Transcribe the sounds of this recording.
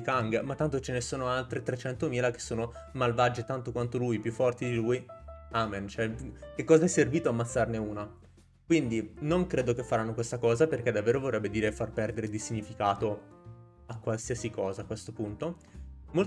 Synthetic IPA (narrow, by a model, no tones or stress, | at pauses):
ikaŋɡmat̪ːant̪ot͡ʃenesoːnoalt̪ɾet̪ɾet͡ʃɛnt̪omiːlak̟e̥sːoːno | malvad͡ʒet̪ant̪okwant̪olujpjufːɔrt̪id̪ilujament͡ʃoɛkekːɔːzaɛsːerviːt̪oamːat̪sːarneuːna | kwind̪inoŋkɾeːd̪okefːaɾanːokwest̪akɔːzaperk̟ed̪avːeːɾovorːɛbːed̪iːɾefarpɛrd̪eɾed̪isiɲːifikaːt̪o | akːwalsiasikɔːzaːkːwest̪opunt̪o | mol